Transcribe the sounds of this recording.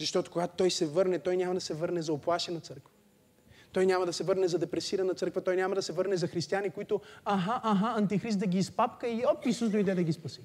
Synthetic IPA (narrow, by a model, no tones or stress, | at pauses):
zɐʃt̪ɔt̪ʊ̥koɡat̪ʊt̪ːɔjsɛvɤɾnɛt̪ɔjnʲamɐd̪ɐsɛvɤɾnɛzɐoplˠaʃɛnɐt̪sɤɾkvɐ̥ | t̪ɔjnʲamɐd̪ɐsɛvɤɾnɛzɐd̪ɛpɾɛsiɾɐnɐt̪sɤɾkvət̪ɔjnʲamɐd̪ɐsɛvɤɾnɛzɐxɾist̪ijanikoit̪ʊaɦaʔːɦaɐnt̪ixɾis̬t̪d̪ɐɡʲiːspapkəiɔpt̪isusd̪oid̪ɛd̪ɐɡʲispɐsi̥